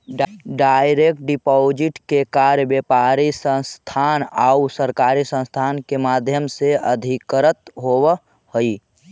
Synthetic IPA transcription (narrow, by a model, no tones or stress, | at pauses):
ɖajɾek̚ʈ̚ɖɪpod͡ʒɪʈkekaɾjəbjepaɾisə̃st̪ʰaːnausəɾkaːɾisə̃nst̪ʰaːnkemaːd̪ʱjəmseəd̪ʱikɾət̪ɦow | həi